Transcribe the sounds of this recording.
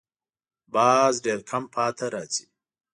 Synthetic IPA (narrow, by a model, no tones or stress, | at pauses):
bɑːzɖeɾkʰampʰɑːt̪ʰaɾaːt͡si̥